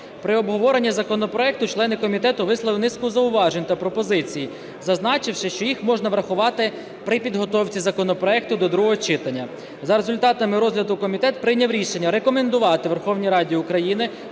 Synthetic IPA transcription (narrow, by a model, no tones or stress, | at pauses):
pɾɪɔbɦɔʋɔɾe̞nʲːizɐkɔnɔpɾɔɛk̚t̪ʊt͡ʃlˠɛnɪkɔmʲit̪ɛt̪ʊʋɪslˠɐʋɪnɪskʊzɐʊʋɑʒenʲt̪ɐpɾɔpɔzɪt͡sʲiji | zɐznɑt͡ʃɪwʃɪʃt͡ʃɔjixmɔʒnɐʋɾɐxʊʋɑt̪ɪ | pɾɪpʲid̪ɦɔt̪ɔwt͡sʲizɐkɔnɔpɾɔɛk̚t̪ʊd̪ɔd̪ɾuɦɔɦɔt͡ʃɪt̪ɐnʲːɐ | zɐɾezʊlʲt̪ɑt̪ɐmɪɾɔzɦlʲɐd̪ʊkɔmʲit̪ɛt̪̚pɾɪnʲɐwɾʲiʃe̞nʲːɐɾekɔme̞nd̪ʊʋɑt̪ɪʋerxɔwnʲijɾɑdʲiʊkɾɐjinɪ